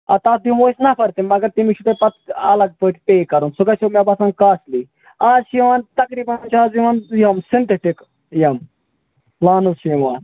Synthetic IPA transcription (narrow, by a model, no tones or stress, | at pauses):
at̪aːd̪imoːisnapʰɐɾt̪imɐɡɐɾt̪imiʃʰut̪epɐt̪ɐlɐɡ̚pəʈʰʲpeːkɐɾunsuɡaːt͡ʃomjabasãːŋkaːsliː | aːzʃiʋaːnt̪ɐkɾiːbannt͡ʃaːziʋaːnjɐmsint̪eʈik | jɐm | laːnuʃiːʋaːn